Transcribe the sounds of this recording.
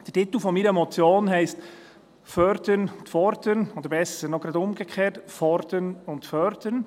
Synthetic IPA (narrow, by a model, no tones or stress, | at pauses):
d̥ətit̪l̩ˠfɔmiɾəmɔt͡sjoːnɦɛɪst | fœɾdəntfɔɾdənoːd̥̪əɾbɛsəɾnɔɡ̥ɾɑdʊmɡəkʰχeːtfɔɾdənʊntfœɾd̪ən